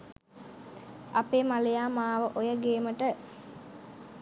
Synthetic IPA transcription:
apeːmalejaːmaːʋəʔojəɡeːməʈə

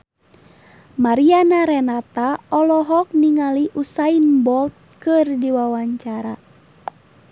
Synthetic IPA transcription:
maɾianaɾɛnat̪aɔlɔɦɔk̚niŋaliʔusainbɔlt̪̚kɨrdiwawaɲt͡ʃaɾa

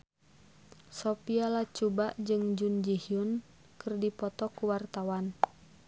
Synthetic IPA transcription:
sɔpialat͡ʃubaʔd͡ʒɨŋd͡ʒund͡ʒihiun | kɨrdipɔt̪ɔkuwart̪awan

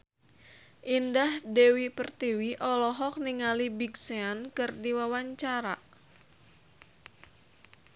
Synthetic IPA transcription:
ʔindahdewipərt̪iwiʔɔlɔɦɔk̚niŋalibiɡseankɨrdiwawaɲt͡ʃaɾa̰

